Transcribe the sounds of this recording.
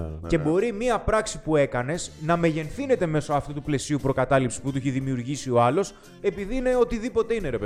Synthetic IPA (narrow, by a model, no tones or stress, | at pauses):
ce̞bo̞ɾimiɐpɾɐksi̥pue̞kɐne̞snɐme̞ʝe̞nθine̞t̪e̞me̞so̞ɐft̪ut̪uple̞siupɾo̞kɐt̪ɐlipsi̥sput̪uiçeðimiuɾʝisio̞ɐlo̞s | e̞piðiine̞o̞t̪iðipo̞t̪e̞ine̞ɾep